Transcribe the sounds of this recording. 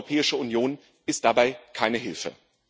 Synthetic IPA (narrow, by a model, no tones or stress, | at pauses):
opʰɛːɪʃəunjoːn | ʔɪst̚d̥abaɪkʰaɪnəɦɪlfə̰